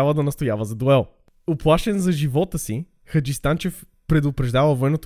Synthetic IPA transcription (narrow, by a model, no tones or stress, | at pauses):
avəd̪ɐnɐst̪ojavəzɐd̪oɛlˠ | oplˠaʃɛnzɐʒivɔt̪əsi | xəd͡ʒist̪ant͡ʃɛf | pɾɛd̪ʊpɾɛʒd̪avəvoɛnot̪